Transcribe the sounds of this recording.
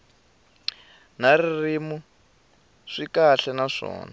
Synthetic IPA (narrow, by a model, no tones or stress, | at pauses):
naririmu | ʂikaɬɛnaʂɔ̰ːna